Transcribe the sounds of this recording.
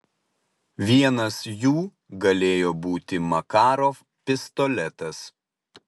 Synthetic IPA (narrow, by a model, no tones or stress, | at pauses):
ʋʲiɛnɐsjuː | ɡɐlʲeːjoːbuːt̪ʲɪmɐkɑːɾoː | pʲɪst̪ɔlʲɛt̪ɐs